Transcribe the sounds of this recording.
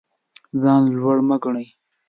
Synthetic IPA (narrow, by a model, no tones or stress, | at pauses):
zɑːnlwaɽmaɡɳaj